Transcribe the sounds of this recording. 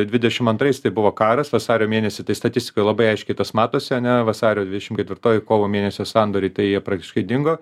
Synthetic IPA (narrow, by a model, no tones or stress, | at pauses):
d̪ʲʋʲɪd̪ʲɛʃʲɪmɐnt̪ɾɐɪst̪ɐɪbʊʋoːkɑːɾɐsʋɐsɑːɾʲoːmʲeːnʲɛsʲɪt̪ɐɪst̪ɐt̪ʲɪsʲt̪ʲɪ̥koːjlˠɐbɐɪɐɪʃʲkʲɛɪt̪ɐsmɑːt̪oːsʲɪɐnʲɛʋɐsɑːɾʲoːd̪ʲʋʲɪdʲɛʃʲɪmkʲɛt̪ʲʋʲɪɾt̪oːjɪkoːʋoːmʲeːnʲɛsʲoːsɑːnd̪oːɾʲɛɪt̪ɐɪjiɛpɾɑːk̚t̪ʲɪʃkɐɪd̪ʲɪŋɡoː